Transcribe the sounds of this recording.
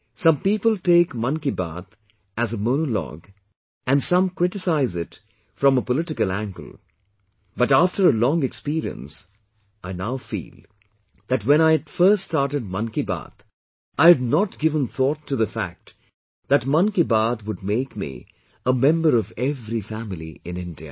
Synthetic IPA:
sʌ̃mpiːpəl̩ˠteɪkmʌ̃nkibæ̰t̪ | ɨzəmonəlɔ̰ɡ | ɨ̃nsʌ̃mkɹ̥ɪtɨsaɪzɪt | fɹʌ̃məpəlɪɾɨkəlˠæ̃ŋɡə̰l̩ˠ | bʌtæftə˞əlɔ̃ŋɨkspiɾiə̰̃ns | ʔaɪnaʊfḭːlˠ | ðɨtwɛ̃ñaɪɨtfɜ˞ststɑɹɾɨd̚mʌ̃nkibæ̰t̪ | ʔaɪɨdnətɡ̥ɪvə̃nθɔtʰːɨðəfæ̰k̚t | ðɨtmʌ̃nkibat̪wʊd̚meɪkmḭ | əmɛ̃mbəɾʌvɛvɾifæmɪlˠḭɪ̃nɪ̃ndḭɨ̰

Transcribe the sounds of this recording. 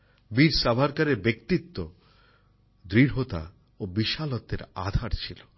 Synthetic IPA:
biɾsabʱaɾkaɾeɾbekt̪it̪ːo | d̪ɾiɾɦot̪a̰ | obiʃalot̪ːeɾa̰d̪ʱaɾt͡ɕʰilo

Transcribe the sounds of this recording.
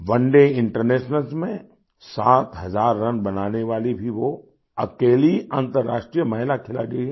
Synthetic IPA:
ʋɐ̃ɳɖeɪ̃ɳʈəɾneːʃnəlsmẽ | saːt̪ɦɐzaːɾːɐnbɐnaːneʋaːlibʱiʋo | ɐkeːliãːnt̪əɾːaːʃʈɾijəmɐɦɪlakʰɪla̰d͡ʒeiɦɛ

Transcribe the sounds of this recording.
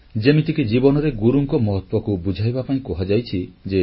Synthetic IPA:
d͡ʒemit̪ikid͡ʒibɔnɔɾeɡuɾuŋkɔmɔɦɔt̪wɔkubud͡ʒʱajbapaĩkɔɦad͡ʒajt͡ʃʰid͡ʒe

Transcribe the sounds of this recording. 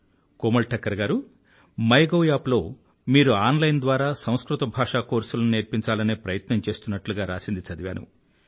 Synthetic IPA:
koːmɐlʈɐkːɐɾɡaːɾu | mɐjɡoːjaːplo̞ː | miːɾuaːnlɐjnd̪ʋaːɾaːsɐ̃w̃skɾut̪ɐbʱaːʂaːko̞ːɾsulɐnuneːɾpiɲt͡ʃaːlɐneːpɾɐjɐt̪nɐmt͡ʃe̞ːst̪unːɐʈluɡaːɾa̰ːsind̪it͡ʃɐd̪iʋja̰ːnṵ

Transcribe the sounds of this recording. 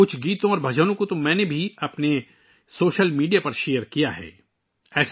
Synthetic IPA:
kʊt͡ʃʰɡiːt̪õɔːɾbʱɐd͡ʒənõkot̪omɛ̃ːnebʱiɐpne | soːʃəlmiːɖijapɐɾʃeːəɾkijaɦɛ̰ː | ɛːs

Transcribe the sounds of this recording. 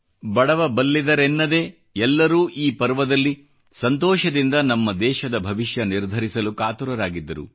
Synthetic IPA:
bɐɽɐʋɐbɐlːid̪ɐɾenːɐd̪e̞ː | ɛlːɐɾuːʔiːpɐɾʋɐd̪ɐlːi | sɐnt̪ɔːʃɐd̪ind̪ɐnɐmːɐd̪ɛːʃɐd̪ɐbʱɐʋiʃjɐniɾd̪ʱɐɾisɐlukaːt̪uɾɐɾaːɡid̪ːɐɾṵ

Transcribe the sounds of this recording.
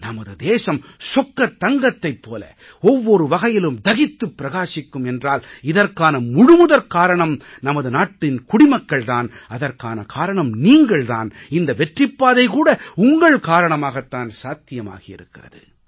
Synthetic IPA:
nɐmɐðɯd̪eːʂɐmsɔkːɐt̪ːɐŋɡɐt̪ːɐɪpːoːlɐ̰ | ɔʋːɔɾɯʋɐɣɐjɪlɯmd̪ɐɣɪt̪ːɯpːɪɾɐɣaːʂɪkːɯmɛndraːlɪðɐrkaːnɐmʊɻɯmʊðɐɾkaːɾɐɳɐmnɐmɐðɯnaːʈːɪnkʊɽɪmɐkːɐɭt̪aːnɐðɐrka̰ːnɐ̰kaːɾɐɳɐmniːŋɡɐɭt̪a̰ːnɪnd̪ɐʋɛʈrɪpːaːðɐɪkuːɽɐʊŋɡɐɭkaːɾɐɳɐmaːɣɐt̪ːaːnsaːt̪ːɪjɐma̰ːɣɪjɪ̰ɾɯkːɪrɐ̰ðɯ̰

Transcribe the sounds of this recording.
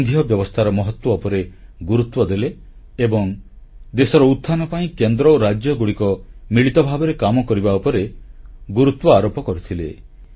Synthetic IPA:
ŋɡʱijɔbjɔbɔst̪ʰaɾɔmɔɦɔt̪wɔopɔɾeɡuɾut̪wɔd̪eleː | bɔŋ | d̪esɔɾɔut̪ʰːanɔpaĩkend̪ɾɔoɾad͡ʒjɔɡuɽikɔmiɭit̪ɔbʱabɔɾekamɔkɔɾibaupɔɾeɡuɾut̪wɔaɾopɔkɔɾut̪ʰile

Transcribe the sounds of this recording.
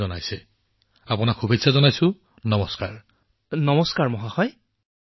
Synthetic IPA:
ɔnajsɛ | apunakxubʱetsʰazɔnajsʊ̃ | nɔmɔska̰ɹ | nɔmɔskaɹmɔɦaxɔj

